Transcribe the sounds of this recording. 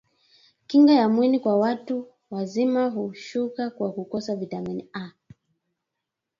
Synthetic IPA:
kiŋɡajamwinikwawatu | wazimaɦuʃukakwakukɔsavitaminia

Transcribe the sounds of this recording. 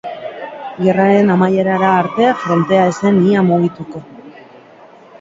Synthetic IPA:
ɡe̞raɾe̞namaje̞ɾaɾaːɾt̪e̞fɾo̞nt̪e̞aese̞niamuɣit̪uko̞

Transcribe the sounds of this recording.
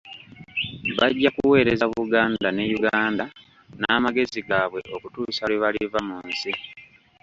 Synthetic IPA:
βaɟːakuwe̞ːɾe̞zaβuɡaːndane̞juɡaːnda | naːmaɡe̞ziɡaːβwe̞ʔo̞kutuːsalweβalivamuːnsi

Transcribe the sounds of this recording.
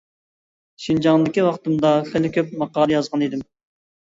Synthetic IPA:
ʃind͡ʒɑŋd̪ɪkʲiwɑqt̪ɨmd̪ɑχælɪkʲøp̚mɑqɑːlˠɨjɑzʁɑnid̪ɪm

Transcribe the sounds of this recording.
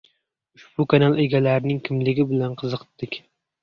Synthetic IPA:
ʊʃb̥ukʰanɑlˠeɡʲɛlæɾɪnɪŋkʲʰɪmlɪɡʲɪbɪlænqʰɨzəqʰə̥t̪ʰːɪkʲ

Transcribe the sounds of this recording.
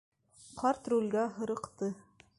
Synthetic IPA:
qʰɑɾt̪rulʲɡæɦɤ̆ɾɤ̆qt̪ɤ

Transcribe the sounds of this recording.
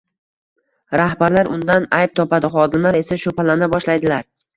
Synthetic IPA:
ɾahbaɾlaɾʊnd̪anajp̚t̪ʰɒpad̪ɪχɒd̪ɪmlaɾe̞saʃʊpʰalanɪbɒʃlajd̪ɪlaɾ

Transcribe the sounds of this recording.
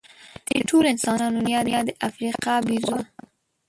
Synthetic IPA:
d̪̥ḛʈʰolɪnsɑnɑnʊnjɑnjɑd̪əʔafɾiqɑbiɾzua

